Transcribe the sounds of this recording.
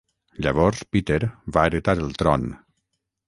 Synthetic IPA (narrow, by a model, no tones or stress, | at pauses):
ʎaβ̞ɔɾspit̪eɾβaːɾət̪aɾəlˠt̪ɾɔn